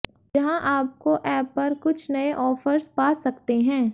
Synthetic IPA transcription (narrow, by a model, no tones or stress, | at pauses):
d͡ʒɐɦãʔaːp̚koʔɛːpːɐɾkʊt͡ʃʰnɐeʔɔːfəɾspaːsɐkt̪eɦɛ̃ː